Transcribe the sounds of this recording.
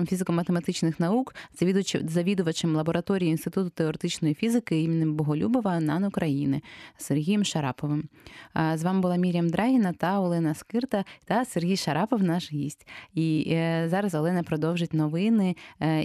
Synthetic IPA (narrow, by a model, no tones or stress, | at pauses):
mfʲizɪkɔmɐt̪emɐt̪ɪt͡ʃnɪxnɐuk | zɐʋʲid̪ʊʋɐt͡ʃɪmlˠɐbɔɾɐt̪ɔɾʲijinst̪ɪt̪ut̪ʊ̥t̪eɔɾet̪ɪt͡ʃnɔjifʲizɪkɪimʲinɪmbɔɦɔlʲubɔʋɐnɑnʊkɾɐjinɪsːerɦʲijɛmʃɐɾɑ̰pɔʋɪm | zʋɑmbʊlˠɑmʲiɾʲjɐmd̪ɾɑɦʲinɐt̪ɐɔlˠɛnɐskɪrt̪ɐt̪ɐserɦʲijʃɐɾɑpɔwnɑʃjisʲtʲizɑɾɐzɔlˠɛnɐpɾɔd̪ɔwʒɪt̚ʲnɔʋɪnɪ